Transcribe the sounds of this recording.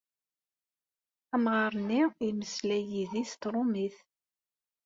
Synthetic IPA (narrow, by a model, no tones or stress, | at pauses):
æmʁɑɾˤənːiiməslæjiðist̪ɾˤʊmiθ